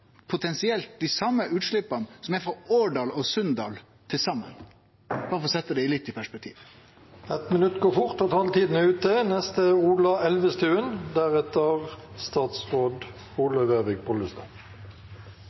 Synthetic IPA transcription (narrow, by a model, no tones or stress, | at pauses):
pʰʊt̪ʰɛnsɪɛlt̪̚d̪æsɑmːəʔʉːt̪ʂɭɪpːɑnsɔmæfɔoːɖɑːlɔsœnd̪ɑ̰ːl | t̪ʰɪlsɑmːə̰n | bɑɾəfɔɾsɛt̪ːəd̪ɛɪlɪt̪ːɪpʰæʂpɛk̚t̪ʰḭːʋ | ɛt̪mɪnʉt̪ɡoːfʊʁt̪ɔt̪ʰɑlt̪iːd̪nəʉːt̪ənɛst̪əuːlɑɛlʋəst̪ʰʉːənd̪æʁɛt̪əʁst̪ɑːt̪sʁoːd̪ | uːlɑʋeʋɪɡ̚pʰɔləst̪ɑ